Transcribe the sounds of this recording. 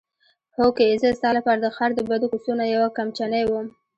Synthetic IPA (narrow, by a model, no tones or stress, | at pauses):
hokezəst̪ɑlapɑɾad̪əxaɾd̪əbad̪okust̪unajawakamt͡ʃanajwəm